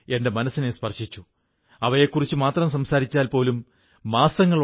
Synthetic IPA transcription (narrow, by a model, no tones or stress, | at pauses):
e̞nde̞mɐnɐsːinespɐrɕit͡ɕːu | ɐʋɐjekːurit͡ɕːumaːt̪rɐms̬ɐmsaːɾit͡ɕːaːlpo̞ːlumː | aːsɐŋːɐɭ